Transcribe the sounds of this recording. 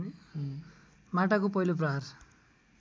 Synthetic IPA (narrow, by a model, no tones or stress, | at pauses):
maʈakopʌɦilop̬rʌɦar